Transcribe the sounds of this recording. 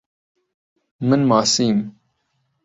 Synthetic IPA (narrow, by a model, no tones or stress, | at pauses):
mənmaːsiːm